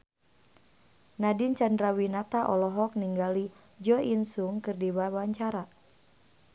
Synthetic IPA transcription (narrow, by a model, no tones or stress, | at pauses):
nadint͡ʃandɾawinat̪aʔɔlɔɦɔk̚niŋɡali | d͡ʒɔʔinsuŋkɨrdiwawaɲt͡ʃaɾa